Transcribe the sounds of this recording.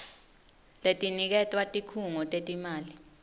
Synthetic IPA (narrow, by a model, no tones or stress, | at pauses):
letʼinik̬ɛtʼwatʼikʰuŋɔtʼetʼimaːli